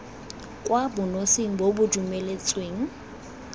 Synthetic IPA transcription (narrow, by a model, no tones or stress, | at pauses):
kʼwabʊnosɪŋ̩bobʊdumelet͡sʼweːŋ̩